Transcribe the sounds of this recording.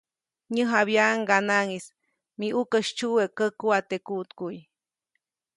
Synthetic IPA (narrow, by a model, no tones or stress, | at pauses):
ɲəɦaβjaŋɡanaŋis | miʔukəʃt͡ʃuwekəkuat̪ekut̪kuj